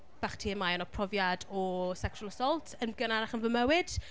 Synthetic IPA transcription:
b̥aχtʰiːəmaanɔpʰrɔvjadɔsɛksɔlˠəsɔlˠtʰənɡənanaχənvəmɛwɪd̥

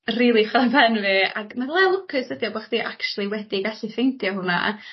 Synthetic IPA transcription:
riːlˠiχavɛnvɨa̰ɡmaðlˠɛlˠʊkʰɨsədjɔbɔχd̥iʔakt͡ʃulˠiwɛdiɡaɬifejntʰjɔɦʊna̰

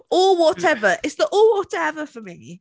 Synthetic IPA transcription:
ɔlˠwɒtʰɛvəʔɪtsðəʔɔːlˠwɒtɛvəfəmi

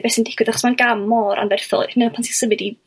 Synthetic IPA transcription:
bɛːsəndɪkʰwɨðaχɔ̥smanɡamɔɾʔa̰nvɛrθɔ̰mɪnapʰantsʰisəmɨdi

